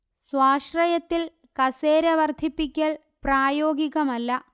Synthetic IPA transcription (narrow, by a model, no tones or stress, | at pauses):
swaːɕrɐjɐt̪ːil | kɐseːɾɐʋɐrd̪ʱipːikʲːɐɭ | praːjo̞ːɡiɣɐmɐlːɐ